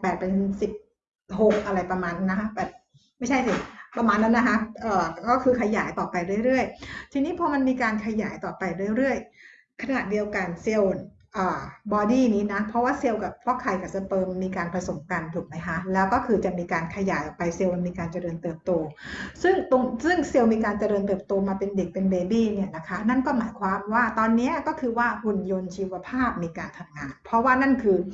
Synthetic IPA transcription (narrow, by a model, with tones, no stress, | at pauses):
pɛː˨˩t̪̚pe˧nsi˨˩p̚ | ɦo˨˩k̚ʔa˧ɾa˧jpɾa˧maː˧nna˦˥kʰa˦˥bɛː˨˩p̚ | ma˥˩jt͡ɕʰa˥˩si˨˩pɾa˧maː˧nːa˦˥nːa˦˥kʰa˦˥ʔɤː˨˩kɔː˥˩kʰɯː˧kʰa˧jaː˩˦jt̪ɔː˨˩pa˧jɾɯ˥˩əjɾɯ˥˩əjt̪ʰiː˧niː˦˥pʰɔː˦˥ma˧nmiː˧kaː˧nkʰa˧jaː˩˦jt̪ɔː˨˩pa˧jɾɯ˥˩ə˨jɾɯ˥˩əj | kʰa˧na˨˩di˧əwka˧nse˧wn | ʔɤː˨˩bɔː˧diː˥˩niː˦˥na˦˥pʰɾɔ˦˥waː˥˩se˧wka˨˩p̚pʰɔ˦˥kʰa˨˩jka˨˩sa˧pɤː˧mːiː˧kaː˧npʰɾa˧so˨˩˦mka˧nt̪ʰuː˨˩˦k̚ma˦˥jkʰa˦˥lɛː˦˥wkɔː˥˩kʰɯː˧t͡ɕa˨˩miː˧kaː˧nkʰa˧jaː˨˩˦jʔɔ˨˩pa˧jse˧wnmiː˧kaː˧nt͡ɕa˧ɾɤː˧nt̪ɤː˨˩p̚t̪oː˧sɯ˥˩ŋt̪o˧ŋsɯ˥˩ŋse˧wmiː˧k̬aː˧nt͡ɕa˧ɾɤː˧nt̪ɤː˨˩p̚t̪oː˧maː˧pe˧nde˨˩k̚pe˧nbeː˧biː˥˩ni˥˩ɐna˦˥kʰa˦˥na˥˩nkɔː˥˩maː˩˦jkʰwaː˧mwaː˥˩t̪ɔː˧nːi˦˥ɐkɔː˥˩kʰɯː˧waː˥˩hu˨˧njo˧nt͡ɕʰiː˧wa˧pʰaː˥˩p̚miː˧kaː˧nt̪ʰa˧mŋaː˧npʰɾɔ˦˥waː˥˩na˥˩nkʰɯː˧